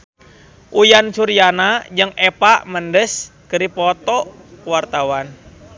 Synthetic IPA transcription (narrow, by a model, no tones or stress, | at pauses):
ʔujansuɾijanad͡ʒəŋepaʔməndəskəɾipɔt̪ɔ | kəwart̪awan